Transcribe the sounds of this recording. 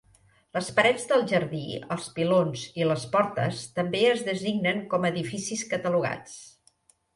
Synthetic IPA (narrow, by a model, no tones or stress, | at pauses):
ləspəɾɛd͡zðəlˠʒəɾðiə̰lˠspilonziləspɔɾt̪ə̰st̪əmbeəzðəziɡnəŋkɔməðifisiskət̪əluɣa̰t͡s